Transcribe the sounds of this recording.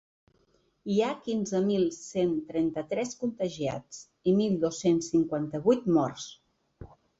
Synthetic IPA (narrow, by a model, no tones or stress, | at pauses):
iakinzəmilˠsent̪ɾɛnt̪ət̪ɾɛskunt̪əʒia̰t͡s | imilˠd̪osensːiŋkwant̪əβujt̪mɔrs